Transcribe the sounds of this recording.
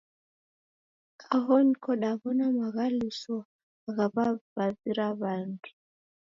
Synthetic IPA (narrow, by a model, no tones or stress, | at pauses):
kʰaɦɔnkʰɔɗaβɔnamaɣaliswɔ | aɣaβaβaziɾaβandu